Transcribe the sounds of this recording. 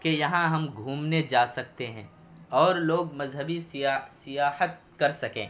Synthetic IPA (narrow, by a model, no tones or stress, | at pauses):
kejɐɦãɦɐmɡʱuːmned͡ʒaːsɐk̚t̪eɦɛ̰̃ | ɔːɾloːɡmɐzɦəbisɪasɪjaːhət̪̚kɐɾsɐkḛ̃ː